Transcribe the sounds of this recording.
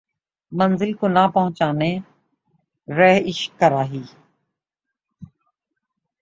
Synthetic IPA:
mənzɪlkoːnaːpəɦʊ̃t͡ʃaːneː | ɾɛːɦɪʃkːəɾaːɦiː

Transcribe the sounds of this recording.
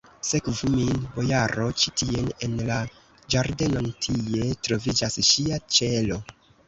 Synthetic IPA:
se̞kvuminbo̞jaɾo̞t͡ʃitie̞ne̞nla | d͡ʒaɾde̞no̞ntʰie̞tɾo̞vid͡ʒasʃiat͡ʃe̞lo̞

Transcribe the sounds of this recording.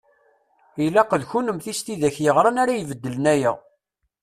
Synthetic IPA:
ilæqəðçunəmθist̪iðæçjəʁɾˤɑnaɾajvəd̪ːələnæjæ

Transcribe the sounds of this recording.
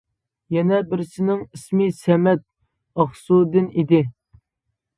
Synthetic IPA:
jɛnɛbɪɾsɪnɪŋismɪsɛmɛt̪̚ | ɑχsud̪ɪnid̪ɪ

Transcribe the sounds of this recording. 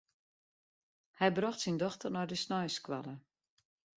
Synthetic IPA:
hɛjbrɔxtsindɔxtərnɔjdəsnɔjskʋa̰lə

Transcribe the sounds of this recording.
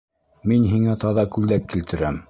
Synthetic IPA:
minɦiŋæt̪ɑðɑkʉld̪æk̚ːilt̪ʰɘ̆ɾæm

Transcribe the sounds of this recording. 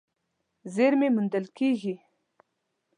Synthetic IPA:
zeɾmemund̪əlkeɣi

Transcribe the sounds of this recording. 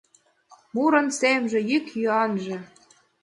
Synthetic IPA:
muɾɤ̆nsemʒĕjykjyɑnʒĕ

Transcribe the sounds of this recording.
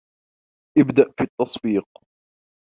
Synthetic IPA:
ʔɪbd̪aʔfiːt̪ːɑsˤbiːq̚

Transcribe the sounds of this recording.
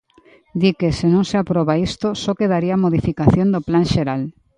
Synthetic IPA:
d̪ikesenõŋseapɾɔβaist̪osɔkeðaɾiamoðifikaθjond̪oplaŋʃeɾal

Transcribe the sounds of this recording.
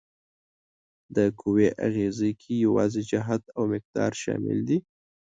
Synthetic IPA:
d̪əkʰuweʔa̰ɣezəjkʰijawɑzed͡ʒaɦat̪awmɪq̚d̪ɑɾʃɑ̰mɪ̰ld̪i

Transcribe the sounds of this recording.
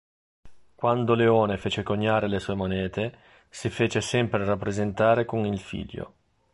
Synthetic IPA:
kwand̪oleoːnefeːt͡ʃekoɲːaːɾelesuːemonɛːt̪e | sifeːt͡ʃesɛmpɾerapːɾezent̪aːɾekonilfḭʎːo̰

